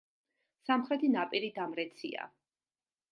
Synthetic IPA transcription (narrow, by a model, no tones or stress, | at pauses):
samχɾɛt̪ʰinapʼiɾid̪amɾɛt̪sʰḭa̰